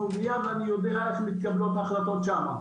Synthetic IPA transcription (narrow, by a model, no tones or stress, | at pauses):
uvijavanijod̪eaeʃmit̪̚kablot̪aχlat̪ot̪ʃama̰